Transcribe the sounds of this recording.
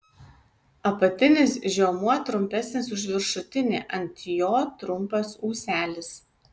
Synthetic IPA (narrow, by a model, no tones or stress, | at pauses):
ɐpɐt̪ʲɪnʲɪsʒʲɛːmuɔt̪ɾʊmʲpʲæsʲnʲɪsʊʒʲʋʲɪɾʃʊt̪ʲɪnʲḛːʔɐnʲt̪ʲjoːt̪ɾʊmpɐsuːsʲæːlʲɪs